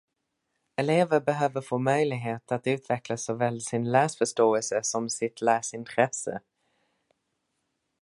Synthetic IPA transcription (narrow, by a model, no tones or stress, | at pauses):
ɛleːvəɾbɛɦøːvəɾfoːmœjlɪɡɦeːt̪at̪ʉ̟ːt̪ʰvɛklasːɔvɛːlsɪnlæːsfœʂʈoːɛlsəsɔmsɪt̪ʰlæːsɪnt̪ʰɾɛsə̰